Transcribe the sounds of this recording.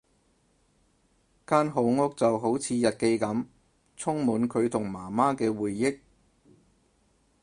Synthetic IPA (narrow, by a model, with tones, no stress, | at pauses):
kaː˥nɦo˨˧wŋʊ˥k̚t͡sɐ˨wɦo˨˥wt͡sʰiː˨˧jɐ˨t̚ke˧jkɐ˨˥m | t͡sʰʊ˥ŋmuː˨˥nkʰɵ˨˧ɥt̪ʰʊ˨˩ŋmaː˨˩maː˥kɛː˧wuː˨jːɪ˥k̚